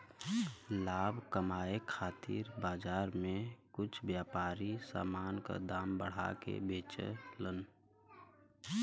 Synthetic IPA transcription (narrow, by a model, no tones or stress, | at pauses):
laːbʱkəmaːekʰaːt̪ḭːɾbaːd͡ʒaːɾmẽkʊt͡ʃʰbjaːpaːɾisa̰ːmaːnka̰d̪aːmbəɽ̤a̰kḛbeːt͡ʃə̰lən